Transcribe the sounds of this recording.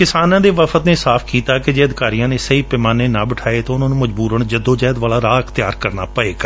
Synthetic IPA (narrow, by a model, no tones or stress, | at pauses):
kɪsaːnãːd̪eːʋəfʰət̪neːsaːpʰkiːt̪aːked͡ʒeːəd̪ɪkaːɾijãːneːsəiːpɪmaːneːnãːbɪʈʰaːeːt̪aːʊnãːnũːməd͡ʒbuːɾəɳd͡ʒəd̪õːd͡ʒaːd̪ʋaːlaːɾaːkt̪ɪjaːɾkəɾna̰ːpəeːɡaː